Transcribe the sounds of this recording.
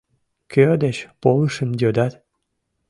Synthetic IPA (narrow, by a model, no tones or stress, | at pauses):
kød̪et͡ɕpoləʃə̆md̪ød̪ɑt̪